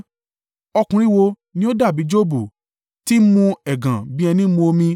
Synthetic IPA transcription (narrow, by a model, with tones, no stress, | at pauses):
ɔ˧kũ˧ɾi˦wo˧ | nĩ˦o˦da˦˨bi˨˦d͡ʒo˦bu˨ | ti˦mũ˧ɛ˨ɡã˨bĩ˦ɛ˧nĩ˦mũ˧o˧mĩ˧